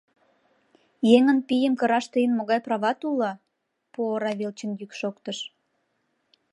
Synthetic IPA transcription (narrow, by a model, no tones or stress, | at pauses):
jeŋənpijəmkə̆ɾɑʃt̪əjənmoɣɑjprɑβɑt̪ulɑ | poɾɑβelt͡ɕənjykʃokt̪əʃ